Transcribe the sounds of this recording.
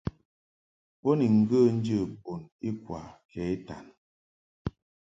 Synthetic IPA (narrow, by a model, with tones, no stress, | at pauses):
po˦ni˨ŋ̩˨ɡə˦˨n̩˦d͡ʒə˦˨bo˨ni˦kwa̰˨kʰɛ˨˦i˦ta̰˨n